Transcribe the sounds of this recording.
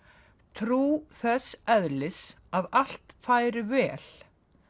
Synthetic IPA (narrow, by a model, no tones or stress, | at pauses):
t̪ʰɾuːθɛsɛðlɪs | aðal̥t̪faːjɾɪvɛːl̥